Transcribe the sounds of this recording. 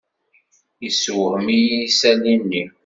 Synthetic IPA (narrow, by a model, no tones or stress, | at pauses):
jisuwəʁmijisælinːi